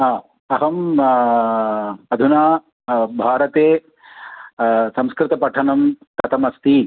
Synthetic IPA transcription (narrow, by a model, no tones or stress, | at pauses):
aː | ɐɦɐm | ɐd̪ʱunaː | bʱaːɾɐt̪eː | sɐ̃mskɾɪt̪ɐpɐʈʰɐnɐmk̪ɐt̪ʰɐmɐst̪i